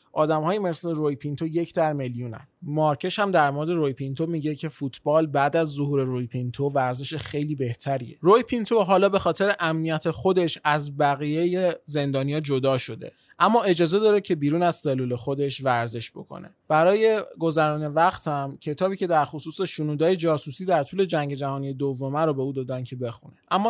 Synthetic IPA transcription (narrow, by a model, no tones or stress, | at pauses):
ʔɒːd̪æmhɒːjeme̞sleɾojpʰint̪ʰo̞je̞cʰd̪æɾmeljunæ̰nmɒɾcʰe̞ʃhæmd̪æɾmo̞ɾe̞d̪e̞ɾojpʰint̪ʰomiɟecʰe̞fut̪ʰbɒːlbæd̪æzːoɦuːɾe̞ɾojpʰint̪ʰovæɾze̞ʃexe̞jliːbe̞ht̪ʰæɾḭḛɾojpʰint̪ʰoɦɒːlɒːbe̞xɒːt̪ʰe̞ɾeʔæmnijæt̪ʰe̞xo̞d̪e̞ʃæzbæɣijejeze̞nd̪ɒːnijɒːd͡ʒo̞d̪ɒːʃo̞d̪e̞̰ | ʔæmːɒːe̞d͡ʒɒːze̞d̪ɒːɾecʰe̞biːɾuːnæz̥selːuːle̞xo̞d̪e̞ʃvæɾze̞ʃb̥o̞kʰo̰ne̞̰b̥æɾɒːje̞ɡo̞zæɾɔːne̞væqt̪ʰæmcʰe̞t̪ʰɒːbiːcʰe̞d̪æɾxosuːseʃunuːd̪ɒːje̞d͡ʒɒːsusiːd̪æɾt̪ʰuːle̞d͡ʒæŋɟe̞d͡ʒæhɒːnije̞d̪ovːo̞mæɾobe̞uːd̪ɒːd̪æncʰe̞be̞xuneʔæmːɒː